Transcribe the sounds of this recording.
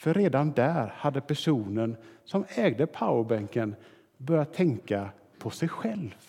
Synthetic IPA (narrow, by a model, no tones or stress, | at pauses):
fœɾːeːd̪and̪æːɾhad̪ːəpʰæʂuːnənsɔmɛːɡd̪əpʰaʊəbɛŋkən | bœɾjat̪ʰːɛŋka | pʰɔsɛjɧɛlvv